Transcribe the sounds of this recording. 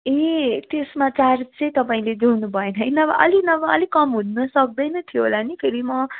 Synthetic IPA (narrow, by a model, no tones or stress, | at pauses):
et̪esmat͡sart͡sʌĩt̪ʌpaĩled͡zonubʱʌenʌɦʌjnʌbʌʔʌ̰linʌbʌʌlikʌmɦunnʌsʌk̚d̪ʌjnʌt̪ʰijoɦolanipʰeɾimʌ